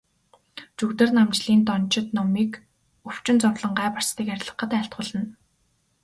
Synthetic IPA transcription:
t͡ɕɵkt̪ɘ̆rnamt͡ɕɮiːnt̪ɔn̥t͡ɕɪ̆t̪nɔmiːk | ɵw̥t͡ɕɪ̆nt͡sɔrɮə̆ɴɢaːpar̥st̪iːkærʲɮə̆χə̆t̪æːɬt̪̚χʊ̆ːɮə̆n

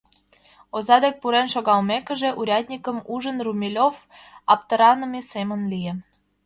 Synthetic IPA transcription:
ozɑd̪ek̚puɾenʃoɣɑlmekə̆ʒeʔuɾʲɑt̪ʲnʲikəmuʒənrumʲilʲof | ɑp̚t̪əɾɑnə̆mesemənlie

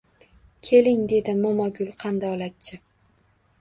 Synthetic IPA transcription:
kʲʰe̞lɪŋd̪e̞d̪ɪmɒmɒɡʲʊlˠqʰɑnd̪aɒlat̪̚t͡ʃʰɪ

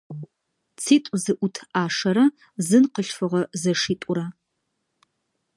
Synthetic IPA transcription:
t͡sʰiːtʼʊzɨʔʷʊtʰaːʂɐɾɐ | zɨnqəɬfɨʁɐzɐʂiːtʷʼʊɾɐ

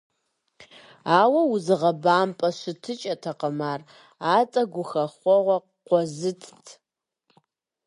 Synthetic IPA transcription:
aːwɐwʊzɨʁɐbaːmpʼɐɕɨtʰɨt͡ʃʼɐtʰɐqəmaːr | aːt͡sʼɐɡʷʊxɐχʷɔʁʷɔ | qʷɔzɨtʰtʰ

